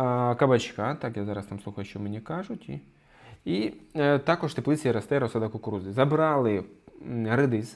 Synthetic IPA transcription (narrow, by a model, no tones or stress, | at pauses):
kɐbɐt͡ʃkat̪akjazɑɾɐst̪amsˠuxɐjʊʃɛmenʲikaʒʊtʲi | it̪akɔʒt̪eplˠɪt͡s̪ʲijiɾɐst̪ɛɾɐsɐd̪ɐkʊkʊɾuzʲɪzɐbɾalˠɪ | ɦɾɪd̪ɪz